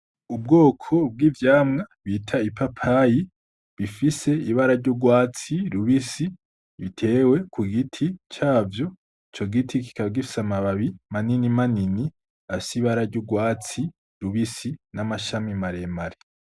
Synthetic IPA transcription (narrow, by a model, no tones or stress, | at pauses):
ub̚ɡo̞ːkʰo̞b̚ɡiːvjaːmŋaβitʰaipapʰaji | βifise̞iβaɾaɾɟoɡwaːt͡siɾuβisi | βitʰe̞ːwe̞kʰuɡitʰit͡ʃaːvjo̞ | it͡ʃoɡitʰiki̥kaβaɡifi̥samaβaβimaninimanini | afi̥siβaɾaɾɟoɡwaːt͡si | ɾuβisinamaʃamimaɾemaɾe